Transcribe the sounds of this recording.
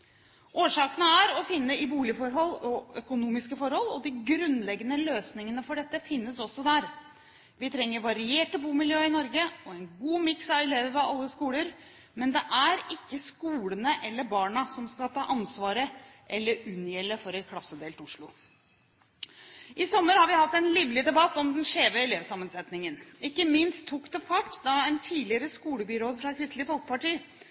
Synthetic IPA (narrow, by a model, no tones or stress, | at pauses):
ʔoːʂɑːkənəæɾɔfɪnːəɪbuːlɪfɔɾɦɔlːɔœkʊnuːmɪskəfɔɾhɔlːɔd̪ɪɡɾʉnlɛɡːənəløːsnɪŋənəfɔɖɛt̪ːəfɪnːəsɔsːɔd̪æɾ | ʋɪt̪ʰɾɛŋːəɾʋɑɾɪeːʈəbuːmɪljøːɪnɔɾɡəɔɛnɡuːmɪksɑʋɪleːʋəʋɛɑlːəskuːləɾ | mɛnd̪ɛʔæɾɪkːəskuːlənəʔɛlːəɾbɑːɳɑsɔmskɑlt̪ʰɑːʔɑnsʋɑːɾəʔɛlːəɾʉnjɛlːəfɔɾɛt̪̚kʰlɑsːəd̪eːlt̪ɪʊʂɭʊ | ʔɪsɔmːəɾhɑɾʋɪhɑt̪ːɛnliːʋlɪd̪ɛbɑt̪ːɔmd̪ɛnʂeːʋəɛleːʋsɑmːənsɛt̪nɪŋənɪkːəmɪnst̪ʰːʊkt̪əfɑʈːd̪ɑɛnt̪ʰiːlɪəɾəskuːləbɪɾoːd̪fɾɑkʰɾɪst̪lɪfɔlkə̥pɑʈiː